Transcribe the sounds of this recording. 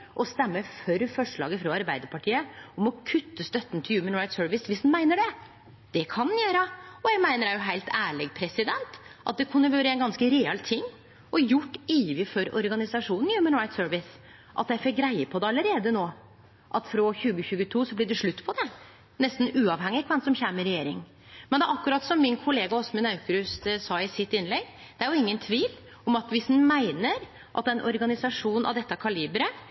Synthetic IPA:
ʔɔst̪ɛmːəfœɾfɔʂɭɑ̰ːɡəfɾɔɑɾbæɪd̪əɾpʰɑʈʰiːəɔmɔkʰʉt̪ːəst̪œt̪ːn̩t̪ʰɪljʉːmənɹɑɪt̪søːʋɪsʋɪsd̪nmæɪnəɖɛ | d̪̥ɛkʰɑnd̪njæːɾəɔjæɡmæɪnəɾæɾjʊɦæɪlt̪ʰæːɭɛɡpʰɾɛsɪd̪ɛnt̪ʔɑ̰t̪̚d̪ɛkʰʉnːəʋøːɾəɛɪnɡɑnskəɾɛɛlt̪ʰɪŋː | ɔjʊʈːiːʋɪfɔɾɔ̰ɾɡɑnɪsɑʂuːnn̩jʉːmənɹɑɪt̪søːɹʋɪs | ʔɑ̰t̪jæɪfɪk̚ɡɾæɪəpʰɔd̪ɛɑlːəɾeːd̪ənoː | ʔɑt̪fɾɔçʉːɡəçʉːɡət̪ʰuːsɔblɪɖɛʂɭʉt̪ːpʰɔd̪ɛ | nɛst̪n̩ʉːɑʋhɛŋːɪkʰʋɛnsɔmçæməɾɛjeːɾɪŋ | mɛnd̪ɛʔɑkːʉɾɑt̪sɔmːɪnkʰʊleːɡɑɔsmənɑʉkɾʉssɑːɪsɪt̪ːɪnlɛɡ | d̪̥ɛæɾjʊɪŋːənt̪ʰʋiːl | ɔmɑt̪ʋɪshnmæɪnəɾ | ʔɑ̰t̪̚d̪ɛnʔɔɾɡɑnɪsɑʂuːnnɑ̰ʋd̪ɛt̪ːəkʰɑliːbɾə

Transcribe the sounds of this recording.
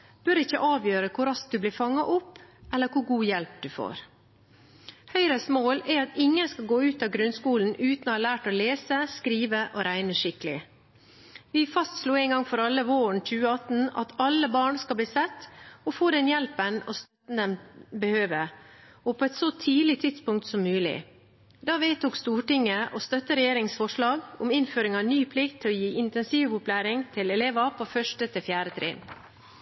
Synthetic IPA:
b̥œɾɪçːə̰ʔɑːʋjøːɾəkʰʊɾɑsk̚d̪ʉblɪːɾfɑŋːɑʔʊpːɛlːəɾkʰʊɾɡuːjɛlp̚d̪ʉfo̰ːɾ | hœʏɾəsmoːlɛɾɑt̪ɪŋːənskɑɡoːʉːt̪ɑʋɡɾʉnskuːln̩ʔʉːt̪nohɑɭæːʈɔleːsəskɾiːʋəʔɔɾæɪnəʂɪkəlɪ̰ | ʋɪfɑst̪sluːɛɪŋɡɑŋfɔɾɑlːəʋoːəɳc͡çʉːəɑt̪n̩ɑ̰t̪ʰɑlːəbɑːɳskɑlb̪liːsɛt̪ːɔfoːd̪ɛnjɛlpənɔst̪œt̪n̩d̪ɛmbəhøːʋə | ɔpʰoːɛt̪sɔt̪ʰiːlɪt̪ʰɪd̪spʊŋkt̪sɔmːʉːlɪ̰ | d̪ɑːʋeːt̪uːkst̪uːʈɪŋːəʔɔst̪œt̪ːəɾɛjeːɾɪŋsfɔʂɭɑːɡʊmɪnføːɾɪŋɑnyːpʰlɪkt̪ʰːɪlɔjiːʔɪnt̪ɛnsiːʋʊplæːɾɪŋt̪ʰɪlɛleːʋɑpʰofœʂʈət̪ʰɪlfjæːɾət̪ʰɾḛːn

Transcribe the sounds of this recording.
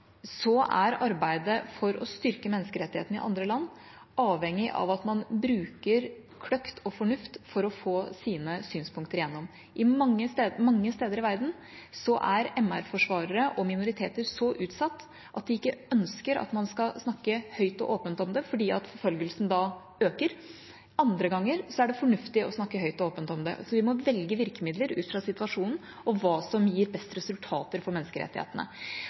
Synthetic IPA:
sɔʔæɾɑɾbæɪd̪əfɔɾɔ̰st̪ʏɾkəmɛnːəskəɾɛt̪ːɪheːt̪n̩ɪ̰ʔɑ̰nd̪ɾəlɑnː | ɑːʋɛŋːɪʔɑ̰ʋɑt̪mɑnbɾʉːkəɾ | kʰɽœkt̪ʰɔfɔɳʉft̪fɔɾɔfoːsiːnəsyːnspʊŋkt̪əɾjɛnːɔm | ʔɪmɑŋːəst̪ːmɑŋːəst̪eːd̪əɾɪʋæɾd̪n̩ | sɔʔæɾɛmæɾfɔʂʋɑːɾəɾəʔɔmɪnʊɾɪt̪ʰeːt̪əɾsɔʔʉːt̪sɑt̪ː | ʔɑt̪̚d̪ɪɪkːəœnskəɾɑ̰t̪mɑnskɑsnɑkːəhœʏt̪ɔ̰ʔoːpənt̪ɔmd̪ɛfɔɖiːɑt̪fɔɾfœlɡəlsn̩d̪ɑː | øːkəɾ | ʔɑnd̪ɾəɡɑŋːəɾsɔæɖɛfɔɳʉft̪ɪʔɔsnɑkːəɦhœʏt̪ɔoːpənt̪ɔmd̪ɛ̰sɔʋɪmɔʋɛlɡəʋɪɾkəmɪd̪ləɾʉ̰ːt̪fɾɑsɪt̪ʉʋɑʂuːnn̩ | ɔʋɑːsɔmjiːɾbɛst̪əɾɛsʉlt̪ʰɑ̰ːt̪əɾfɔɾmɛnːəskəɾɛ̰t̪ːɪhḛːt̪ənə̰

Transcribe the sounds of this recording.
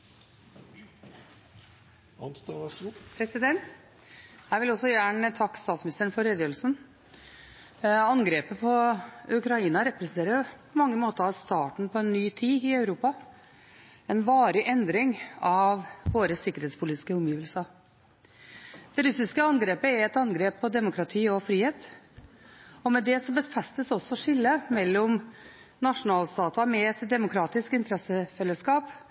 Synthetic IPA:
ɑnst̪pʰɾɛsɪd̪ɛnt̪ | hæɪʋɪlɔsːɔjæːɳət̪ʰɑkːst̪ɑːt̪smnɪst̪əɳfɔɾɛd̪jəlsn | ɑnɡɾeːpəpʰɔʉkɾɑiːnɑɾɛpɾsneːɾəɾpʰɔmɑŋːəmoːt̪əɾɑʋst̪ɑːʈɳ̩pʰɔɛnːyːt̪ʰiːɪœʉɾuːpɑ | ɛnʋɑːɾɪʔɛnd̪ɾɪŋɑʋʋoːɾəsɪkːəɾeːt̪spʊliːt̪ɪ̥skəɔmjiːʋəlsɑɾ | d̪̥ɛɾʉsɪskəɑnɡɾeːpəɛɾɛt̪ɑnɡɾeːpʰːɔd̪ɛmʊkʰɾɑt̪ʰiːɔfɾiːheːt̪ | ɔmɛd̪ɛsɔbəsfɛst̪əsɔsːɔʂɪlːəmɛlːɔm | nɑʂʊnɑːlst̪ɑːt̪ɑmɛɛt̪d̪ɛmʊkʰɾɑːt̪ɪskɪnt̪əɾɛsəfɛlːəskɑːp

